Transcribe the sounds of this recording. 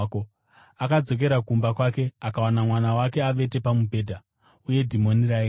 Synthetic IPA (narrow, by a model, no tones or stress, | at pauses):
ko | akad͡zo̞k̬e̞ɾakumbakwake̞akawanamwanawake̞aʋe̞te̞pamubʱe̞ːdʱa | uje̞dʱimo̞nirai